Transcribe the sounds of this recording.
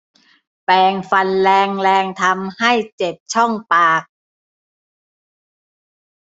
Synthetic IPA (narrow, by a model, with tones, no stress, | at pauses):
pɛː˧ŋfa˧nlɛː˧ŋlɛː˧ŋt̪ʰa˧mha˥˩jt͡ɕe˨˩p̚t͡ɕʰɔ˥˩ŋpaː˨˩k̚